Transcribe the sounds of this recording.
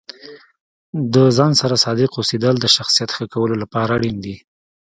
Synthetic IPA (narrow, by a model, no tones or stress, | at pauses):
d̪əzɑnsaɾasɑd̪ɪqosed̪əld̪əʃaxsijat̪xəkawəlolapɑɾaːɽind̪i